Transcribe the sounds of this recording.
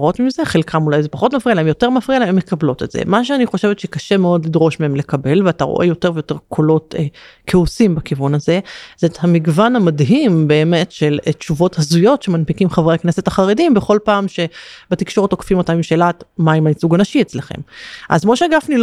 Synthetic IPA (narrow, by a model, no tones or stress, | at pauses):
ʁotmimze̞χelkʰamulajzepaχo̞tmafʁialemjo̞te̞ʁmafʁialeemjekablo̞te̞tz̥ḛmaʃ̬eaniχo̞ʃe̞vetʃekaʃe̞meo̞dlidʁo̞ʃmeemle̞kabe̞lveataʁo̰ʔe̞jo̞te̞ʁvejote̞ʁkʰolo̞tːkʰeosimbakivunazez̥ethamiɡvanhamadɦimbe̞ːme̞tʃelet͡ʃuvo̞thazujo̞tʃemanpikimχavʁaknesetaχaʁedimbeχo̞lpaːmʃe̞bet̪ikʃo̞ʁetokḁfimotaːmimʃelatmaimanisuɡanaʃiet͡sleχḛmʔa̰zmo̞ʃeaɡafnil